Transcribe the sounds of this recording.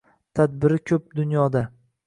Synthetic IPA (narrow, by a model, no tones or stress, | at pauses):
t̪ʰad̪bɪɾɪkʲʰɵp̚d̪ʊnjɒd̪a